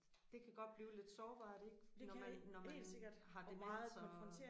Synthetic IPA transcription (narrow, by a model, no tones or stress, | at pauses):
d̥e̝kʰæɡ̥ɒ̽d̥̚b̥liːʊle̝d̥sɒːb̥ɑ̈ːd̥eɡ̥dnɒmænnɒmmæseɡ̥ɐd̥ɦɑ̈d̥e̝mɑ̈ːð̩ˠsɒɒfʁɔnt͡sʰḛː